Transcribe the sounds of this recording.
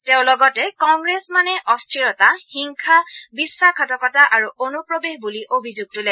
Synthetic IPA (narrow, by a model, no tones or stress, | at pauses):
teʊ̃lɔɡɔtɛkɔŋɡɹesmanɛʔɔstʰɹiɹɔtaxiŋkʰabisːakʰɔtɔkɔtaʔaɹuonupɹobexbuliʔobʱizuɡ̚tulɛ